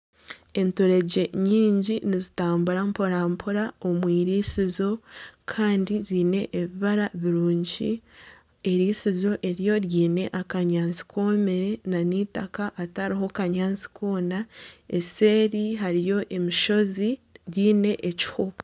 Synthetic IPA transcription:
e̞ntoɾe̞ɟe̞ɲiːɲɟinizitaːmbuɾampoɾampʰoɾaomwiːɾiːsizo̞kʰaːndiziːne̞ʔːβiβaɾaβiɾuːɲɟi | eɾiːsizo̞ʔe̞ɾjo̞ɾjiːne̞ʔakaɲaːnt͡si̥kʰo̞meɾe̞naniːtakaʔːtaɾiɦo̞kaɲaːnzi̥kʰo̞ːnae̞se̞ːɾiɦaɾijo̞ʔe̞miʃo̞ziɾjiːne̞ʔeci̥hopo

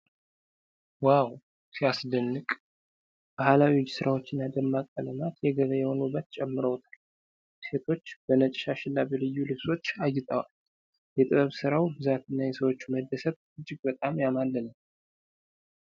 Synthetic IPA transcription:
waw | siasd̪ənːɨkʼ | b̥ahalawiwd͡ʒsɨɾʔawo̞t͡ʃːɪnːad̪əmːakʼələmat̪jɛɡəβəjɛho̞nubːət̪t͡ʃʼɛmːɨɾəwt̪ʰḁl | se̞t̪ʰo̞t͡ʃːb̥ənət͡ʃʼʃaʃɪlːabɛlɨjːulɨβso̞t͡ʃːajːɪt̪ʼəwa̰l | jɛt̪ʼɨβəβsɨɾawbɨzat̪ɨnːajɛsəwo̞t͡ʃːməd̪ːəsəβ | ɨd͡ʒːɪɡbət̪ʼamjamalːənəm

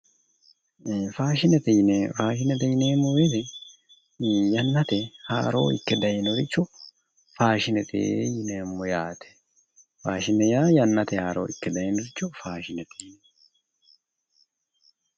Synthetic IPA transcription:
faːʃɪnɛt̪ɛjnefaːʃɪnɛt̪ɛjɪneːmʊwet̪ɛ | jɐnːɐt̪ɛha̰ːɾoːɪkːɛd̪ɐjɛnɔɾɪt͡ʃːɔ | faːʃɪnɛt̪ʰʼḛjɪneːmːɔjaːt̪ɛ̥ | faːʃɪnɛjaːjɐnːɐt̪ɛhaːɾo̰ːɪkːɛd̪ɐjɛnɔɾɪt͡ʃːɔfaːʃɪnɛt̪ʰɛn

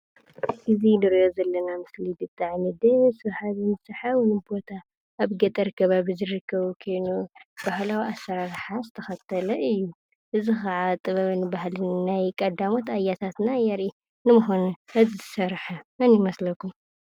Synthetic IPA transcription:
ʔɨzinɨɾjozɐlːɐnamɨslid̪ɨt̪ʼːaʕmid̪ɐsɨβħaβinɨsɨħawnɨbo̞t̪ʰa | ʔːβɡɐt̪ʼɐɾɨkʰːɐβabɨzɨɾɨkʰːɐβukʰo̞jnubahlawiasːɐɾaɾħazɨt̪ʰɐxɐt̪ʰɐlɐʔɨjːu | ʔɨzixɐʕat̪ʼɨβɐβnɨbahlɨnnajkʼɐd̪amot̪ajat̪ʰat̪najɐɾʔi | nɨmuxonuʔɐzizɨsɐɾħamɐnɪmɐslɐkːum

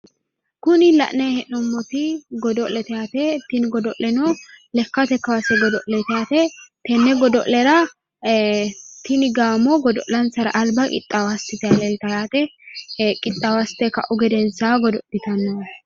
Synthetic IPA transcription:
kʊnɪlɐ̰ʔnɛhɛʔnɔmːɔt̪ɪɡɔd̪ɔʔlɛt̪ɛjaːt̪ɛt̪ɪnɡɔd̪ɔʔlɛno | lɛkːɐt̪ɛkːɐwasɛɡɔd̪ɔʔlɛt̪ɛjaːt̪ɛt̪ɛnːɛɡɔd̪ɔʔlɛɾɐ | t̪ɪnɪɡaːmːɔɡɔd̪ɔʔlɐnsɐɾɐ̰ʔɐlbɐkʼɪ̰t̪ʼːɐwɐst̪ɪt̪ɪɐlɛlt̪ɐjaːt̪ɛ | kʼɪt̪ʼːɐwɐst̪ɛkɐ̰ʔʊɡɛd̪ɛnsaːɡɔd̪ɔʔɪt̪ɐnːo

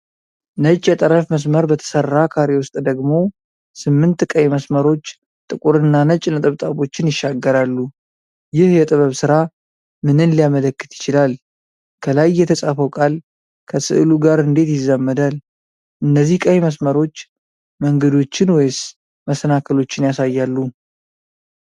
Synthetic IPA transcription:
nət͡ʃʼːjɛt̪ʼəɾəfməs̬məɾbət̪ʰə̥sərːakʰaɾewʊst̪ʼd̪əɡmo̞ | sɨmːɨnt̪kʼəjməsməɾo̞t͡ʃː | t̪ʼɨkʼuɾɨnːanət͡ʃʼnət̪ʼɨβt̪ʼaβo̞t͡ʃːɪnjɪʃːaɡːəɾalːu | jɪhjɛt̪ʼɨβəβsɨɾa | mɨnɨnlijamələkːɨt̪jɪt͡ʃɪlal | kʰəlajːɛt̪ʰəsʼafəwkʼal | kʰəsɨ̰ʔɨluɡaɾɨnd̪e̞t̪jɪzːamːəd̪al | ʔɨnːəzːihkʼəjməsməɾo̞t͡ʃː | məŋɡəd̪o̞t͡ʃːɪnwejs | məsənakʰəlo̞t͡ʃːɪnjasajːalːu

